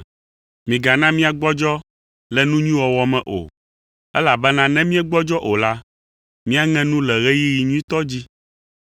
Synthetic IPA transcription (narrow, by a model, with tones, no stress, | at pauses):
mĩ˨ɡa˨nã˦mĩ˦a˨ɡ͡bɔ˦d͡ʒɔ˦ | lɛ˨nũ˦ɲĩ˦wɔ˨wɔ˦mɛ̃˨ʔo̰˨ | ɛ˦la˨bɛ˦nã˦nɛ̃˦mĩ˦ɛ˦ɡ͡bɔ˦d͡ʒɔ˦ʔo˨la˦ | mĩ˦a˨ŋɛ̃˦nũ˦lɛ˨ɣɛ˦ji˦ji˨ɲũ˦i˦t̪ɔ˦d͡ʑi˦